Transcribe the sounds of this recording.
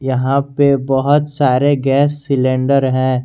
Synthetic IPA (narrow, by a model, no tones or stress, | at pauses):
jɐɦãpebɐɦʊt̪saːɾeɡɛːsːɪlẽːɳɖəɾɦɛ̃ː